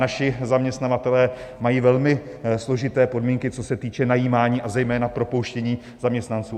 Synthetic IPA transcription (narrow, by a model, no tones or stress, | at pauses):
naʃɪzamɲɛst̪navat̪ɛlɛːmajiːvɛlmɪ | slo̞ʒɪt̪ɛːpo̞dmiːŋkɪt͡sosɛt̪iːt͡ʃɛnajiːmaːɲiːʔazɛjmɛːnapɾo̞po̞wʃcɛɲiː | z̥amɲɛst̪nant͡suː